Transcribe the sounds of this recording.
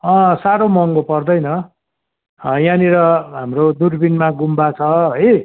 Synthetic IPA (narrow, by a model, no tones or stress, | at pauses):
ʌ̃saɾomʌŋɡopʌrd̪ʌjnʌ | ʌjãniɾʌɦamrod̪urbinmaɡumbat͡sʰʌɦʌj